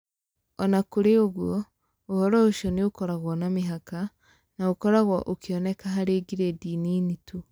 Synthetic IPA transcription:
ɔnakuɾeoɣwɔ | ohɔɾɔoʃɔneokɔɾaɣwanamiɦaka | naokɔɾaɣwaʔokiɔnɛkaɦaɾeːɡiɾediːniːnitu

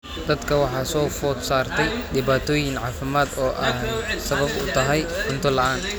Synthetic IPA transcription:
d̪ɐd̪kʰɐwɑħɑːsɔːfɔːsaːrt̪ʰɛjɖɪβaːt̪ʰɔːjɪŋʕɑːfɪmaːd̪ɔːʔɐhsɐβɐbʊ̰t̪ʰɐɦɛjħʊnt̪ʰɐlɐʔaːn

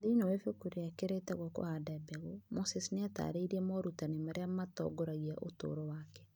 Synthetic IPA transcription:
dinowefokuɾeakeɾɛtaɣwɔko̰hadabɛɣomosɛsineata̰ɾeiɾiɛmɔɾutanemaɾeamatɔ̰ɡɔɾaɣiaʔoto̰ːɾɔwakɛ̥

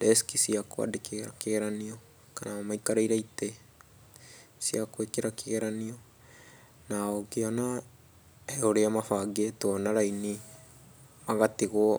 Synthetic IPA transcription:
deskisiakoa̰dekeɾakeɣeɾanio | kanamamajkaɾejɾajte | siakoekeɾakeɣeɾanio | naoɡeona | eoɾeamafaːɡetonaɾajni | maɣateɣo

